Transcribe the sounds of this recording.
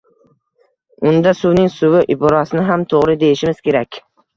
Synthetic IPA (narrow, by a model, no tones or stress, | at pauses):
ʊnd̪asʊwnɪŋsʊwɪʔɪbɒɾɒsɪnɪɦamt̪ʰoʁɾɪd̪e̞jɪʃɪmɪz̥kʲʰe̞ɾakʲ